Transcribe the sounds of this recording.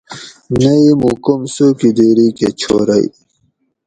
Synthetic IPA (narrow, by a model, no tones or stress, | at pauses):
nɐimukomsukid̪eɾiket͡ɕʰo̰ɾɐj